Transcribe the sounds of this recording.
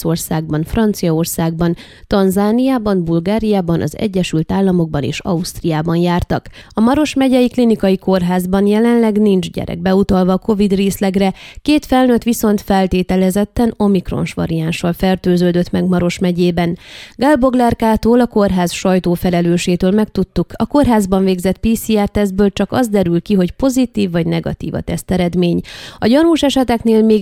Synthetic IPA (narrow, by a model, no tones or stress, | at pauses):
o̞rsaːɡ̚bɒnfrɒnt̪sijɒo̞rsaːɡ̚bɒn | t̪ɒnzaːnijaːbɒnbulɡaːɾijaːbɒnʔɒ̰zɛ̰ɟːɛʃylt̪aːlːɒmo̞ɡ̚bɒnḛːʃɒ̰ust̪rijaːbɒnjaːrt̪ɒk | ɒmɒɾo̞ʃmɛɟɛjiklinikɒjiko̞rɦaːzbɒnjɛlɛnlɛɡnind͡ʒɟɛ̰ɾɛ̰ɡ̚bɛut̪ɒlvɒko̞vid̪reːslɛɡrɛkeːt̪fɛlnøt̪ʋiso̞nt̪fɛlt̪eːt̪ɛlɛzɛt̪ːɛno̞mikro̞̰nʃʋɒ̰ɾijanʃɒlfɛrt̪øːzøːd̪øt̪mɛɡmɒɾo̞ʃmɛɟeːbɛnɡalbo̞ɡlɛrkaːt̪oːlɒko̞rɦaːzʃɒjt̪oːfɛlɛløːʃeːt̪øːlmɛkt̪ut̪ːukɒko̞rɦaːzbɒɱveːɡzɛt̪̚piːsiːɛrt̪ɛzbøːlt͡ʃɒkɒzd̪ɛɾylkiɦo̞cpo̞zit̪iːvːɒɟnɛɡɒ̰t̪ḭːvɒ̰t̪ɛst̪ɛɾɛd̪meːɲɒɟɒnuːʃɛʃɛt̪ɛkneːlmeː